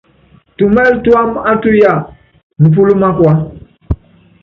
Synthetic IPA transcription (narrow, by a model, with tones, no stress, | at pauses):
tu˨mɛ˦ltu˦a˦ma˦tu˦ja˦˨ | nu˨p̬u˦lu˦mã˦kwa˦